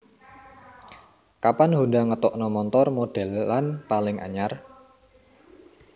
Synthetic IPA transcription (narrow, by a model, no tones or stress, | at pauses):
kapanhundaŋət̪ɔʔnɔmɔnt̪ɔrmoɖ̥ɛ̤lːanpalɪŋʔa̰ɲar